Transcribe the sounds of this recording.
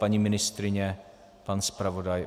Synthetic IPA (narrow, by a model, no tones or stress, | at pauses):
paɲimɪnɪst̪ɾɪɲɛ | panspɾavodaj